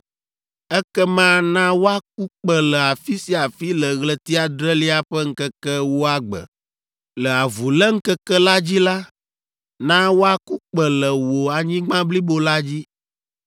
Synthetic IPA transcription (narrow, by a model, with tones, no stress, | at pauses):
ɛ˦kɛ˦mã˦nã˦wo˦a˦k̚u˦k͡pə˦lɛ˨a˨fi˦si˨a˨fi˦lə˨ɣlə˦t̪i˦a˨d̪ɾɛ˦li˦a˦ɸɛ˦ŋ̩˦kɛ˦kɛ˦wo˦a˦ɡ͡bə̰˨ | lə˨a˨vu˨lɛ˦ŋ̩˦kɛ˦kɛ˦la˦d͡ʑi˦la˦ | nã˦wo˦a˦ku˦k͡pə˨lə˨wo˨a˨ɲĩ˦ɡ͡bã˦bli˦bo˦la˦d͡ʑi˦